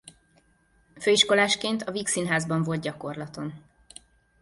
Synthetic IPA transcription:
føːiʃko̞laːʃkeːnt̪ɒviksinɦaːzbɒɱvo̞lt̪̚ɟɒko̞rlɒt̪o̞n

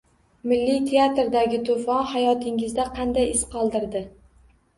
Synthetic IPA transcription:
mɪlːit̪ʰe̞at̪ɾd̪aɡʲɪt̪ʰʊfɒnhajɒt̪ʰɪŋɪzd̪aqʰɑnd̪ajɪsqɒlˠd̪ɪɾd̪ɪ

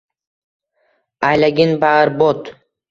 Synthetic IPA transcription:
ajlaɡʲɪnbaaɾbot̪

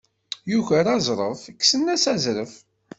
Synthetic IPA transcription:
juçəɾɑzˤɾˤəfəkːsənːæsæzɾəf

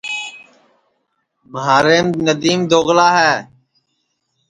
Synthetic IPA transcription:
məɦaːɾeːmnəd̪iːmd̪oːɣlaːɦɛː

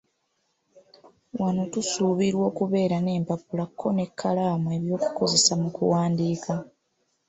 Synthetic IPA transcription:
wano̞tusuːβiɾwo̞ːkuβe̞ːɾane̞ːmpapulakʰːo̞ne̞kʰːalaːmue̞βjo̞ːku̥ko̞ze̞samukṵwaːndiːkʰa

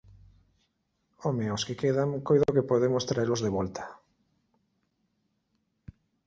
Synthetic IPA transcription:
omeoskɪkeðaŋkojðokepoð̞emost̪ɾaeɾlozðeβɔlt̪ḁ

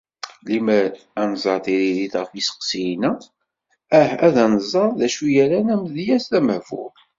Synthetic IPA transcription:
limæ | ænzˤɑɾt̪iɾiɾiθʁəfisə̥qsijnæ | æhæðænzˤɑɾˤðæʃujæɾænæmðjæsθæməvʊ̰ɾ

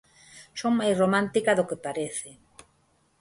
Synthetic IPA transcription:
soŋmajsromãnt̪ikaðokepaɾeθɪ

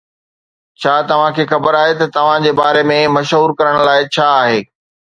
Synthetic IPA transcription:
t͡ɕʰaːt̪ɐʋ̤ãkʰeːxɐbəɾaːɦet̪ɐt̪ɐʋ̤ãd͡ʑeːbaːɾemẽmɐʃɦuːɾkɐɾəɽ̃laːɪt͡ɕʰaːɦeː

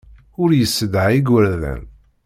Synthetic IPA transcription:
ʊɾjəsːəd̪ʕiɡwəɾðæ̰n

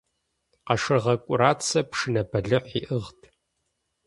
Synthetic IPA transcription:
qɑʂɨrʁɐkʷʼʊɾaːt͡sʰɐpʂɨnɐbɐɮɨħʷiʔɨʁtʰ

